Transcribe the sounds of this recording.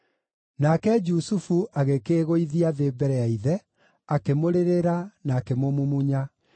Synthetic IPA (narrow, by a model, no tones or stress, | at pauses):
nakɛd͡ʒusufuʔaɣekeɣoiðiaðeːbɛɾɛaiðɛ | akemoɾeɾeɾanaːkemomumuɲa